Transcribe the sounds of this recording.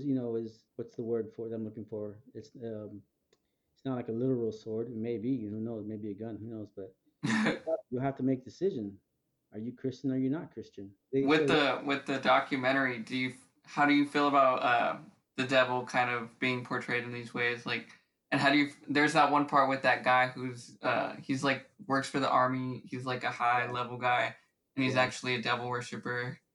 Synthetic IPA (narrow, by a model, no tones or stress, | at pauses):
zjɨnoʊɪzwʌtsðəwɜ˞d̥fə˞ðãɪmlʊkɪ̃ŋfə˞ɪtsʌ̃ | ɪtsnət̚ˡlaɪkəlɪɾə˞l̩ˠsɔɹdmeɪbihunoʊmeɪbiɨɡʌ̃nhunoʊzb̥ʌt̚ | jɨɦæftəmeɪk̚d̥ɨsɪʒɨ̃n | ə˞jɨkʰɹ̥ɪst͡ʃɨ̃nə˞jɨnət̚kʰɹ̥ɪst͡ʃɨ̃n | ðewɪðɨwɪðɨdɑkʰjɨmɛ̃ɾ̃ə˞idɨjɨ | haʊɾɨjɨfilˠəbaʊt̪ʌ | ðɨdɛvl̩ˠkʰãɪ̃ndʌvb̥iɪ̃ŋpʰɔɹtʰɹ̥eɪɾɨ̃n̩ðizweɪzlaɪk | ɨ̃nɦaʊɾɨjɨfðə˞zðət̚wʌ̃npʰɑɹt̚wɨðɨt̚ɡ̥aɪhuz̥ʌ̰hizlaɪk̚wɜ˞ksfə˞ðiʔɑɹmihizlaɪkɨhaɪlɛvl̩ˠɡaɪ | ɨ̃nizæk̚t͡ʃʉl̩ˠiɨdɛvl̩ˠwɜ˞ʃɨpə˞